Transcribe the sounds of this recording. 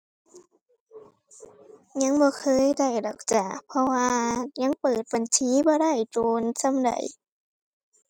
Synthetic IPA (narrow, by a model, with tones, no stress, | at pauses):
ɲa˧˥˨ŋbɔː˧˦kʰɤː˧˥˨jda˧˩jdɔː˨˩k̚t͡ɕaː˨˩k̚pʰɔ˧waː˧ɲa˧˥˨ŋpɤː˨˩t̪̚ba˨˩nt͡ɕʰiː˧˥˦bɔː˧˦da˧˩jt͡ɕoː˧nsa˧˥˨mda̰˨˩j